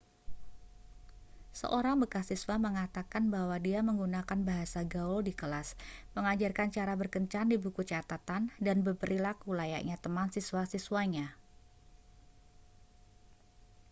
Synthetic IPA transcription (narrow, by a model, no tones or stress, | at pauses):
sə̰ʔoɾaŋbəkasiswaməŋat̪akanbahwadiaməŋɡunakanbaɦasaɡaʊldikəlasməŋad͡ʒarkant͡ʃaɾabərkəɲt͡ʃandibukut͡ʃat̪at̪andanbəpəɾilakulaja̰ʔɲat̪əmansiswasiswaɲa